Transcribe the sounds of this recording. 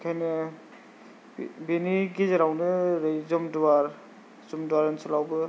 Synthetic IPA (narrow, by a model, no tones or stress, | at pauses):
kʰajnɯ | beniɡizaɾawnɯɾɯjzɔmduwaɾ | zumduwaɾɯnsulawbɯ